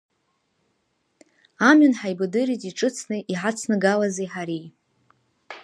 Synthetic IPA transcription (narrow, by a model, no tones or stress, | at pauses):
amɥunħajbɨdɨɾitʼiʈ͡ʂʼɨt͡sʰnɨʔiħat͡sʰnɨɡalazajħaɾi